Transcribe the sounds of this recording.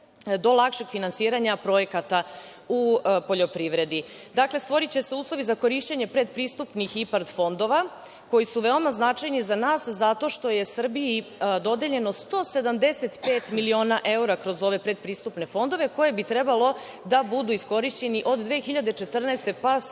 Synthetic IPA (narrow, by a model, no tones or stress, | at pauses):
d̪o̞lˠakʃe̞ɡfinansiːɾaɲapɾo̞je̞kat̪aupo̞ʎo̞pɾiʋɾe̞d̪i | d̪akle̞st̪ʋo̞ɾit͡ɕe̞se̞uːslˠo̞ʋizako̞ɾiʃt͡ɕeɲe̞pɾe̞d̪̚pɾist̪upnixipaɾt̪fo̞nd̪o̞ʋa | ko̞jisuʋeo̞maznat͡ʃajnizanaːszat̪o̞ʃt̪o̞je̞sr̩biid̪o̞d̪e̞ʎe̞no̞st̪o̞ːse̞d̪amd̪e̞set̪pe̞ːt̪milio̞ːnaʔe̞uɾakɾo̞zo̞ʋe̞pɾe̞d̪̚pɾiːst̪upne̞fo̞nd̪o̞ʋe̞ko̞je̞bit̪ɾe̞balo̞ | d̪abud̪uisko̞ɾiʃt͡ɕe̞niʔo̞d̪ːʋeːxiʎad̪e̞t͡ʃe̞t̪r̩nast̪e̞pa